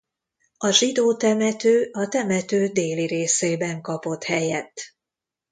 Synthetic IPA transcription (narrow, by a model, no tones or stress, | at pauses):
ɒʒid̪oːt̪ɛmɛt̪øːʔɒt̪ɛmɛt̪øːd̪eːliɾeːseːbɛŋkɒpo̞t̪hɛjɛt̪ː